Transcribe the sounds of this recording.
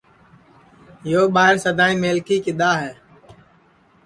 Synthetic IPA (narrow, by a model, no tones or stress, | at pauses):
joːɓaːɪɾsəd̪aːĩːmeːlkiːkɪɗ̪aːɦɛː